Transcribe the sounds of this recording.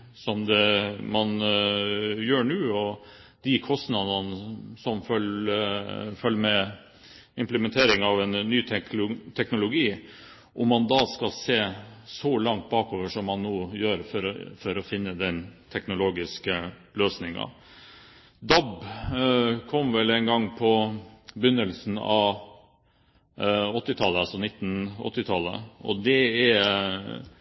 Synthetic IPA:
sɔmd̪ɛmɑn | jøːɳʉːɔ | d̪̥ɪkʰɔst̪nɑd̪ɑnəsɔmfœ | fœlːmɛ | ɪmpləmɛnt̪ʰeːɾɪŋɑʋɛnːyːt̪ʰʊt̪ʰɛknʊlʊɡiː | ʔʊmːɑnd̪ɑːskɑlseːsɔlɑŋt̪̚bɑːkoːʋəʂɔmːɑnːoːjøːɾfɔɾfɔɾɔfɪnːəd̪ɛnt̪ʰɛknʊloːɡɪskə | løːsnɪŋɑ̰ | d̪ɑb | kʰɔmʋɛlɛɪnɡɑŋpʰɔbʏnːəlsnɑ̰ʋ | ɔt̪ːɪt̪ʰɑlːəɑlsɔnɪt̪ːn̩ɔ̰t̪ːɪt̪ʰɑlːə̰ɔ̰d̪ɛæ

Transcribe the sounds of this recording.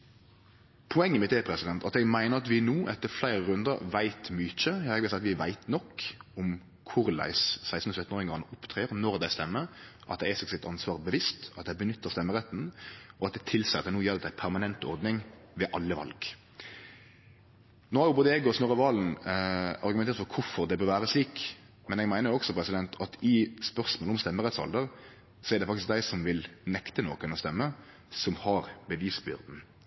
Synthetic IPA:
pʰʊɛŋːəmɪt̪eːpʰɾɛsɪd̪ɛnt̪ʰɑt̪ɛɡmæɪnəɾɑt̪ʋɪnuːʔɛt̪ːəɾflæɪɾəɾʉnd̪əɾʋæɪt̪mʏt͡ʃəjɑːɛɡʋɪsɛɑt̪ʋɪʋæɪt̪nɔkːɔm | kʰʊʁlæ̰ɪssæɪst̪n̩ɔsœt̪n̩oːʁɪŋɡɑŋəʔʊpt̪ʰʁeːəʁnɔʁd̪æɪst̪ɛmːəʔɑt̪̚d̪ɛæsɛksɪt̪ɑnsʋɑːʁbəʋɪst̪ɑt̪̚d̪æɪbənʏt̪ʰːəʁst̪ɛmːəʁɛt̪ːn̩ɔɑt̪̚d̪ɛt̪ʰɪlsɛt̪ɛnuːjɛlɑt̪d̪æɪpʰæʁmɑnɛnt̪ɔʁd̪nɪŋʋɛʔɑlːəʋɑ̰lɡ | noːhɑɾjʊboːd̪əeːɡɔsnoːʁəʋɑːln̩ | ɑɾɡʉmɛneːɾt̪fɔɾkʰʊfɔɾd̪ɛbøɾʋæːɾəsliːk | mɛnɛɡmæɪnəɾjɔksɔpʰɾɛsɪd̪ɛnt̪ʰɑt̪ʰɪspœʁsmoːlɔmst̪ɛmːəʁɛt̪sɔ̰ld̪əɾ | sɔɛɾd̪ɛfɑkt̪ɪsk̚d̪æɪsɔmʋɪlnɛkt̪ənoːkənɔst̪ɛmːə | sɔmhɑɾbəʋiːsbʏ̰ʁd̪n̩

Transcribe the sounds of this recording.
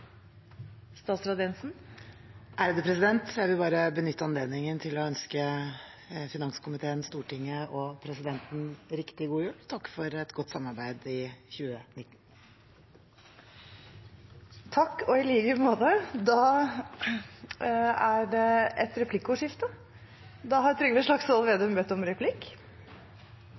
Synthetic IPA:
st̪ɑːt̪sɾɑd̪ɛnsn̩ | ʔæɾd̪ʉːpɾɛsɪd̪ɛnt̪jæɪʋɪlbɑːɾəbənʏt̪ːəɑnleːd̪nɪŋənt̪ʰɪlɔœnskə | fɪnɑŋskʰʊmɪt̪ʰeːənst̪uːʈɪŋːəʔɔpʰɾɛsɪd̪ɛnt̪n̩ɾɪkt̪ɪɡuːjʉːlt̪ʰɑkːfɔɾɛt̪ɡɔt̪ːsɑmːɑɾbæɪd̪ɪçʉːənɪt̪ːn̩ | t̪ʰɑkːɔɪliːɡəmoːd̪əd̪ɑ | æɖɛɛt̪ɾɛpʰlɪkːʊʂɪft̪ə | d̪ɑɦɑɾt̪ʰɾʏɡəʋiːsʂɭɑksɑlʋeːd̪əmbɛt̪ːɔmɾɛpʰlɪkː

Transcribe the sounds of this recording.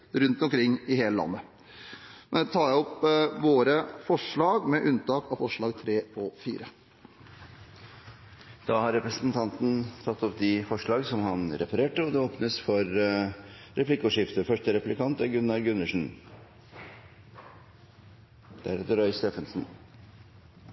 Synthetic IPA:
ɾʉnt̪ɔmkɾɪŋːɪheːləlɑ̰nːə | mɛnɛt̪ʰɑːjæɔpʋoːɾəfɔʂɭɑːɡmɛʔʉnt̪ɑːkɑʋfɔʂɭɑːɡt̪ʰɾeːɔfḭːɾə | d̪̥ɑːhɑɾɾɛpɾəsnt̪ʰɑnt̪n̩t̪ʰɑt̪ːɔp̚d̪ɪfɔʂɭɑːɡsɔmhɑnɾɛpɑɾeːʈəɔd̪ɛoːpnəsfɔɾ | ɾɛpʰlɪkːʊʂɪft̪əfœʂʈəɾɛpʉ̥lɪkʰɑnt̪æɡʉnːɑɾɡʉnːəʂn̩ | d̪̥ææɾɛt̪ːəɾœʏst̪eːfənsn̩

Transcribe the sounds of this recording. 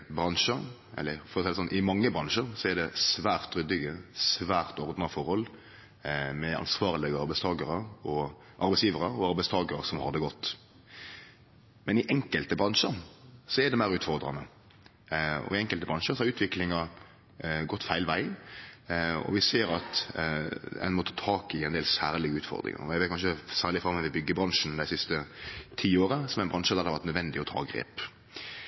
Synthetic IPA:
bɾɑnʂəɾ | ʔɛ̰lːəɾfɔɾɔsɛɪəsɔnʔɪmɑŋːəbɾɑnʂəɾsɔɛd̪ɛsʋæːɾt̪ːɾʏd̪ɪɡəsʋæːɾt̪ɔɾd̪nɑfɔɾhɔl | mɛɑ̰nsʋɑːʁlɪɡəɑɾbæɪst̪ʰɑːɡəɾəɔ | ʔɑɾbɛɪsjiːʋəɾəɔɑɾbæɪst̪ʰɑːɡəɾəsɔmhɑʁd̪əɡɔt̪ː | mɛnɪʔɛŋkəlt̪əbɾɑnʂəɾsɔɛd̪ɛmæɪʁʉːt̪fɔʁd̪ɾɑ̰nə | ɔ̰ɪɛŋkəlt̪əbʁɑnʂəɾsɔhɑɾʉːt̪ʰʋɪklɪŋɑɾ | ɡɔt̪ːfæɪlʋæɪ | ɔ̰ʋɪseːɾɑt̪ | ɛ̰nmɔt̪ʰɑːt̪ʰɑːkɪɛnd̪eːlsæːɾlɪɡəʉːt̪fɔ̰ʁd̪ɾɪ̰ŋə̰ɔɛʋeɪt̪kɑnʂʃəsæːɾlɪfɾɑmːɛʋɪbʏɡːəbɾɑnʂnd̪æɪsɪst̪ət̪ʰiːoːɾəsɔmɛɪnbɾɑnʂəd̪æʁd̪ɑʋæt̪nœd̪ʋɛnd̪ɪɔt̪ʰɑ̰ːɡɾḛːp

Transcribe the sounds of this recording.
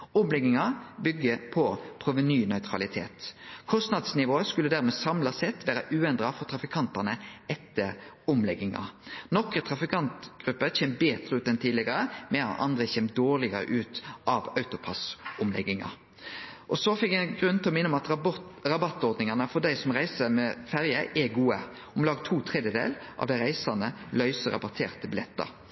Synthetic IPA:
ɔmlɛɡɪŋɑbʏɡːəpʰɔpʰʁuːʋənyːnœʏt̪ʰʁɑ̰lɪt̪ʰḛːt̪kʰɔst̪nɑd̪snɪʋoːəskʉlːəd̪æːɾmɛsɑmlɑsɛt̪ːʋæːɾəʔʉːɛnd̪ɾɑfɔɾt̪ʰɾɑfɪkʰɑnt̪ɑnəɛt̪ːəɾʊmlɛɡːɪŋɑ̰nɔkət̪ʰɾɑfɪkʰɑnt̪ɡ̥ɾʉpːəçeːmbeːt̪ɾəʉːt̪ɛnt̪ʰiːd̪lɪɡɑɾəmɛɑ̰t̪ɑ̰nd̪ɾəçɛːmd̪oːʁlɪɡəɾə̰ʔʉːt̪ʔɑʋɑʉt̪ʊpʰɑsʊmlɛ̰ɡɪŋɑ̰ | ʔɔsɔfɛkæɡʁʉnt̪ʰɪlɔmɪnːʊmɑt̪ʁɑbɑt̪ːɔɾd̪nɪŋɑnəfɔd̪æɪsɔmʁæɪsəmɛfæɾjəʔɛɡuːə | ɔmlɑːɡt̪ʰuːt̪ʰʁɛd̪jəd̪ḛːlʔɑ̰ʋd̪ɛʁæɪsɑnəlœʏsəɾɑ̰bɑt̪ʰḛːʁt̪əbɪlɛt̪ːə̰ɾ

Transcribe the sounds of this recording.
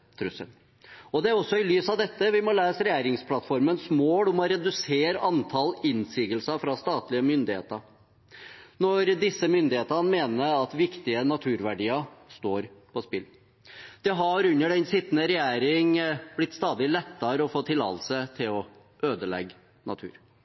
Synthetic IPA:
t̪ʰɾʉsə̰n | ɔd̪ɛæɾɔsːɔɪlyːsɑʋd̪ɛt̪ːəʋɪmɔleːsəɾɛjæːɾɪŋspʰlɑt̪fɔɾmənsmoːd̪ʊmɔɾɛd̪ʉseːɾəʔɑnt̪ʰɑlɪnsiːɡəlsəfɾɑst̪ɑːt̪lɪəmʏnd̪ɪhḛːt̪əɾ | nɔɾd̪ɪsəmʏnd̪ɪheːt̪ənəmeːnəɾɑt̪ʋɪkt̪ɪənɑt̪ʰʉːɾʋæɖiːəst̪oːɾpʰɔspɪl | d̪̥ɛɦɑɾʉnːəɖɛnsɪt̪ːənəɾɛjæːɾɪŋb̥lɪt̪ːst̪ɑːd̪ɪlɛt̪ːəɾəɔfoːt̪ʰɪlɑ̰l̩sət̪ʰɪlɔ | øːd̪əlɛ̰ɡː | nɑ̰t̪ʰʉ̰ːɾ

